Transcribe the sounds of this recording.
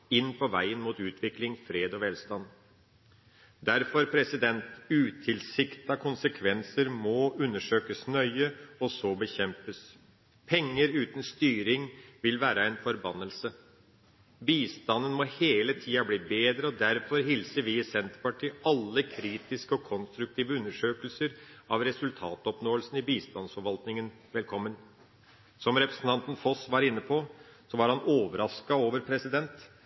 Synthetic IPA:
ɪnːpʰɔʋæɪənmuːt̪ʉːt̪ʰʋɪklɪŋfɾeːd̪ɔʋɛːlst̪ɑn | d̪æɾfɔɾpʰɾɛsɪd̪ɛnt̪ʉːt̪ʰɪlsɪkt̪ɑkʰʊnsəkʰʋɛnsəɾmɔʉnːəʂøːkəsnœʏəɔsɔbəçɛmpəs | pʰɛŋːəɾʉːt̪n̩st̪yːɾɪŋʋɪlʋæːɾəæɪnfɔɾbɑnːəlsə | biːst̪ɑnːənmɔheːlət̪ʰiːɑbliːbeːd̪ɾəɔd̪æɾfɔɾɦɪlsəʋiːɪsɛnt̪əɾpɑʈʰiːʔɑlːəkʰɾiːt̪ɪskəɔkʰɔnst̪ɾʉk̚t̪ʰiːʋəʉnːəʂøːkəlsəɾɑʋɾɛsʉlt̪ʰɑːt̪ɔpnoːəlsn̩ɪbiːst̪ɑnsfɔɾʋɑlt̪nɪŋən | ʋɛlkʰɔmːən | sɔmɾɛpɾə̥sn̩t̪ɑnt̪n̩fɔsʋɑɾɪnːəpʰɔsɔʋɑɾhɑnoːʋəɾɑskɑoːʋəɾpʰɾɛsɪd̪ɛnt̪

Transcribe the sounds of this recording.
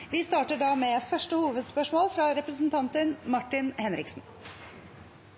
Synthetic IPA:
ʋɪst̪ɑːʈəɖɑːmeːfœʂʈəhuːʋəd̪spœʂmoːlfɾɑɾɛpɾəsn̩t̪ʰɑnt̪ənmɑʈɪnhɛnɾɪksn̩

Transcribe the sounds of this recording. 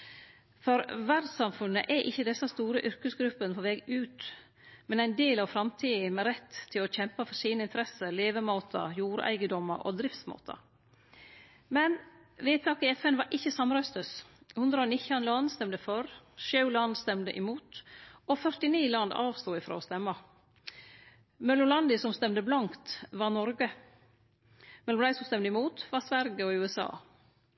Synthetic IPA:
fɔɾʋæɾɖ̪sɑmfʉnːəʔɛʔɪçːəd̪ɛsːɑst̪uːɾəʔʏɾkəsɡɾʉpːənpʰɔʋɛːɡʉːt̪ | mɛnæɪnd̪eːlɑʋfɾɑmt̪ʰiːmɛɾɛt̪ʰːɪlɔçɛmpəfɔɾsiːnəɪnt̪əɾɛsəleːʋəmɑːt̪ʰə̰ɾjuːɾæ̰ɪɡəd̪ɔmːə̰ɾʔɔ̰d̪ɾɪft̪smɑ̰ːt̪ʰɑ̰ɾ | mɛn | ʋeːp̪ʰɑːkɪɛfɛnʋɑɾʔɪçːəsɑmɾœst̪əshʉnd̪ɾəoːnɪçɑnlɑnst̪ɛmd̪əfɔɾʃɑʉlɑnd̪st̪ɛmd̪ə̰ʔɪmuːt̪ofœɾʈ̪ɪniːlɑnd̪ɑ̰ːʋst̪uːɪfɾo̰ːɔst̪ɛmːɑ | mœlʊlɑnd̪ɪsɔmst̪ɛmd̪əblɑŋkt̪ʋɑɾnɔɾɡə | mɛlɔmd̪æɪsɔmst̪ɛmd̪əɪmuːt̪ʋɑsʋæɾɡəɔʉːɛsɑ̰ː

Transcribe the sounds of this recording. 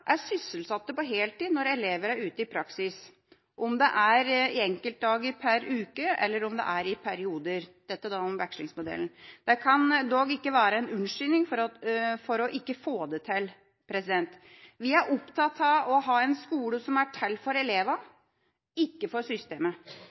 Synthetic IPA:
ʔæɾsʏsəlsɑt̪ːəpɔɦeːlt̪ʰiːd̪nɔɾɛleːʋəɾæɾʉːt̪əɪpʰɾɑksɪs | ʔɔmd̪ɛʔæɾɪɛŋkəlt̪̚d̪ɑːɡɪpʰæɾʉːkəɛ̰lːəɾɔmd̪ɛ̰ʔæɾɪpʰæɾɪuːd̪əɾd̪̥ɛt̪ːəd̪ɑːɔmʋækʂlɪ̰ŋsmʊd̪ɛ̰ln̩d̪̥ɛkʰɑnd̪ɔɡɪkːəʋæːɾəɛnʉnʂʏnɪŋffɔɾɔʔɪkːəfoːd̪ət̪ʰɪl | pʰɾɛsɪd̪ɛnt̪ | ʋɪæɾʔɔpt̪ʰɑt̪ʰɑʋɔɦɑːɛnskuːləsɔmæʈʰɛlːfɔɾɛleːʋɑ | ɪkːəfɔɾsʏst̪ḛːmə

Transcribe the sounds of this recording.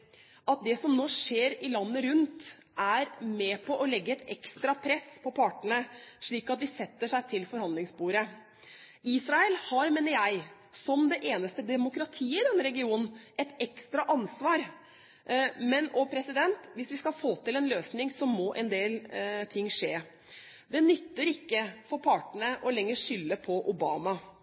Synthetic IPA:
ɑt̪̚d̪ɛsɔmnoːʂeːɾɪlɑnːəɾʉnt̪ | ʔæɾmɛpʰɔʔɔlɛɡːəɛt̪ɛ̰kst̪ɾɑpʰɾɛspʰɔpʰɑʈəɳəʂɭiːkɑt̪̚d̪ɪsɛt̪ːəʂæɪt̪ʰɪlfɔɾhɑnlɪŋsbuːɾə | iːsɾɑɛlhɑɾmeːnəɾjæɪ | sɔmd̪ɛʔeːnəst̪əd̪ɛmʊkɾɑt̪ʰiːəɪd̪ɛnːəɾɛɡɪuːnn̩ɛt̪ɛkst̪ɾɑʔɑnsʋɑːɾ | mɛnɔpʰɾɛsɪd̪ɛnt̪ʋɪsʋɪskɑfoːt̪ɪlɛnløːsnɪŋsɔmɔʔɛnd̪eːlt̪ʰɪŋːʂeː | d̪ɛnʏt̪ːəɾɪkːəfɔɾpʰɑʈɳəʔɔlɛŋːəʂʏlːəpʰɔʔʊbɑːmɑ

